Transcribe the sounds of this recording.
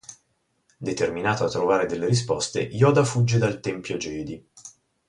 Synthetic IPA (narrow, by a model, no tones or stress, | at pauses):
d̪et̪erminaːt̪oat̪ːɾovaːɾed̪elːeɾis̬pɔst̪ḛʔjɔːd̪afud͡ʒːed̪alt̪ɛmpjod͡ʒɛːd̪i